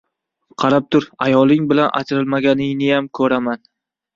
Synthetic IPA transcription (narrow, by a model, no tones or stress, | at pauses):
qʰɑɾap̚t̪ʰʊɾajɒlˠɪŋbɪlanʔa̰t͡ʃʰɾɪlmaɡʲanɪnɪjamkʰɵɾaman